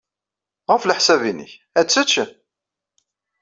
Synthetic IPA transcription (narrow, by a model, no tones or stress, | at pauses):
ʁəfləħsævinḭç | æt͡sːət͡ʃːə